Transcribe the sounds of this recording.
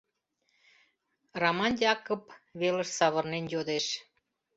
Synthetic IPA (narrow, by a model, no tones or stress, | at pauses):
romɑnjɑkopβelə̆ʃsɑβɤ̆rnenjod̪eʃ